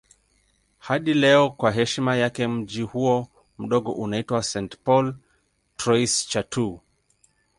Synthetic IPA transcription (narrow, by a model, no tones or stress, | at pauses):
haɗilɛɔkwaɦɛʃmajakɛm̩d͡ʒihuɔ | m̩ɗɔɠɔ̰ʔunaitwasɛntpɔl | tɾɔist͡ʃatʰu